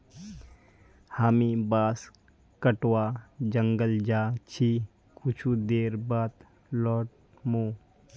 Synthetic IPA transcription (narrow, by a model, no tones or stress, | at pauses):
haːmibaːs | kəʈwaːd͡ʒəŋɡəld͡ʒaːt͡ʃʰi | kʊt͡ʃʰud̪eːɾbaːt̪ | lɔːʈ̚ | moː